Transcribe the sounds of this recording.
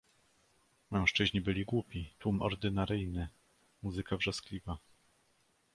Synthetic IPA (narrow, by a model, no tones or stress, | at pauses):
mɛ̃w̃ʂt͡ʂɘʑɲibɘlʲiɡwupʲit̪wumɔ̰ɾd̪ɘnaɾɘjnɘ | muzɘkavʐɔsklʲiva